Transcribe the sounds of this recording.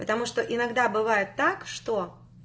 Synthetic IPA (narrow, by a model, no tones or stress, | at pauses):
pə̥t̪ɐmuʂt̪oʔɪnɐɡd̪abɨvajɪt̪ːakʂt̪o